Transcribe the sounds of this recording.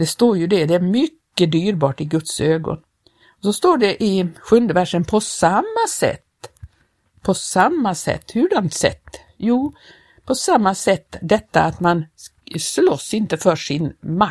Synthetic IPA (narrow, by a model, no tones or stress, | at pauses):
d̪̥ɛst̪oːɾjɵd̪ɛd̪ɛæɾmʏkːəd̪yːɾbɑːʈɪɡɵt̪søːɡɔ̰n | ɔsɔst̪oːɖɛʔɪɧɵnd̪əvæʂənpʰɔsamːasɛ̰t̪ː | pʰɔsamːasɛ̰t̪ːhʉɭant̪sɛ̰t̪ː | juː | pʰɔsamːasɛt̪ːd̪ɛt̪ːaat̪man | slɔsːɪnt̪əfœʂɪnma